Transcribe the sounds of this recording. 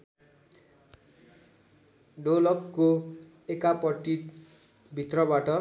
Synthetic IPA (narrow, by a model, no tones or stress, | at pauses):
ɖolʌkːo | ekapʌʈːi | bʱit̪rʌbaʈʌ